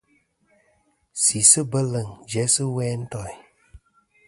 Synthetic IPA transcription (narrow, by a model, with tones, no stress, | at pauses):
si˨sɨ˦bə˦lə˨ŋd͡ʒɛ˨˦sɨ˦wɛː˦n̩˦tɔ˨